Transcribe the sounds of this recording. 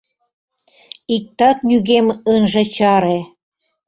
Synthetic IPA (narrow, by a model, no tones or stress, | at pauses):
ik̚t̪ɑt̪nʲyɣemɤnʒĕt͡ɕɑɾe